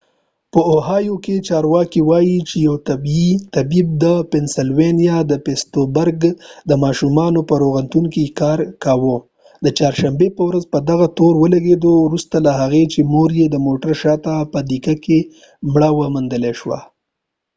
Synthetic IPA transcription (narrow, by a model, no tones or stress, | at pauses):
pəoɦɑjoket͡ʃɑɾwɑkiwɑjit͡ʃejawt̪abit̪abib̚d̪əpensɪlwenijad̪əpest̪obəɾɡd̪əmɑʃumɑnopəɾoɣant̪uŋkikɑɾkawo | d̪ət͡ʃɑɾʃambepəwɾazpəd̪aɣat̪oɾwəlaɡed̪owɾust̪alaɦaɣet͡ʃemoɾjed̪əmoʈəɾʃɑt̪apəd̪ikake | mɽawəmand̪əleʃwa̰